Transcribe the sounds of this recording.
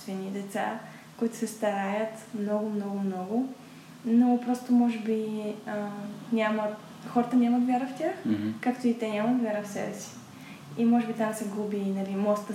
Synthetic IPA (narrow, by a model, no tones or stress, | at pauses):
t̪vɛnʲid̪ɛt̪sa̰ | koʊit̪ʊ̥sɛst̪ɐɾajət̪mnɔɡʊmnɔɡʊmnɔɡʊ | nopɾɔst̪omɔʒɛbiənʲamə | xɔɾət̪ənʲamət̪vʲjaɾəftʲaxkakt̪oit̪ɛnʲamət̪vʲaɾəfsɛ̰bɛsi̥ | imɔʒɛbit̪amsɛɡubʲiːnɐlimɔst̪ə